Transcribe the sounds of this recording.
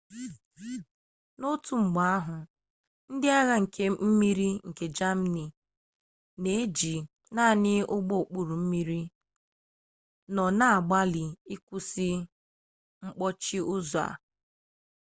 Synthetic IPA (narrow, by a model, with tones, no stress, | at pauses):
no˦tu˨ŋ͡m̩˨ɡ͡ba˨a˦ɦʊ˨ | n̩˦dɪ˦a˦ɣa˦ŋ̩˨kʰe˦m̩˦mi˦ɾi˦ŋ̩˨ke˨d͡ʒa˦m̩˦ni˨ | ne˨e˦d͡ʒi˨ | na˦˨nɪ˦ʊ˦ɡ͡bo˦˨k͡pu˨ɾu˨m̩˦mi˦ɾi˦ | nɔ˨na˦a˨ɡ͡ba˦lɪ˨i˦kʷu˦si˦ | ŋ͡m̩˦k͡pɔ˦t͡ʃi˦ʊ˦za̰˨